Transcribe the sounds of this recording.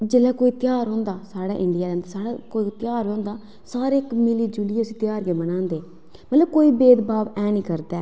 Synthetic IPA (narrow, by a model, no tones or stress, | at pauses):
d͡ʒelɛːkoːiːt̪ɪjaːɾɦõːnd̪aːsaːɽa̰ːʔɪɳɖɪjaːɛːnd̪aːsaːɽaːkoːit̪ɪjaːɾɦõːnd̪aː | saːɾeːkmɪliːd͡ʒulɪjeʊsĩːt̪jaːɾkeːbənãːnd̪eː | mət̪ləb̚koːiːbeːd̪baːʋɛːnĩːkəɾd̪ɛː